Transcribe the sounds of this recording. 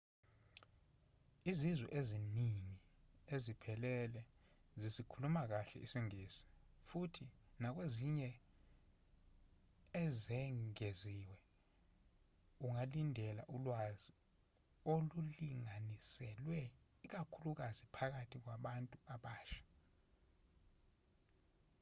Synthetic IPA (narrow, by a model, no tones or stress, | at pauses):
izizwɛʔeziniŋi | ezipʰɛlɛlɛ | zisikʰulumak̬aɬɛ̰ʔisiŋiːsi̥ | futʰinak̬weziɲɛ | ɛzɛŋeziwɛ | uŋalindʱɛla̰ʔulwazi | oluliŋanisɛlwɛ | ik̬akʰuluk̬azipʰak̬atʰik̬waɓantʼuaɓaːʃḁ